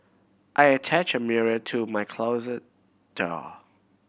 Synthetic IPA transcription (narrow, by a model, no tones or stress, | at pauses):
ʔaɪətʰæt͡ʃəmɪɹətʰumaɪkʰl̥oʊzə | d̥ɔ̰